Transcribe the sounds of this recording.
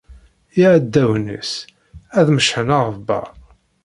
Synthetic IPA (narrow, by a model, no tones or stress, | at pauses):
jiʕæd̪ːæwnə̰s | æðməʃħənaʁəbæ̰